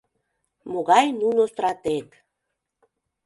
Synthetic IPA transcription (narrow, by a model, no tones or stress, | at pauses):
moɣɑjnunost̪ɾɑt̪ek̪